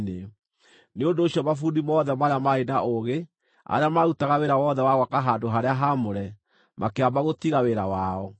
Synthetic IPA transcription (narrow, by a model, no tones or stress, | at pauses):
ne | neondoːɕiɔmafudimɔðɛmaɾeamaenaʔoɣe | a̰ɾeamautaɣaweɾawɔðɛwaɣwakaɦandoɦaɾeaɦamoɾɛ | mʔakeabaɣotiɣaweɾawaɔ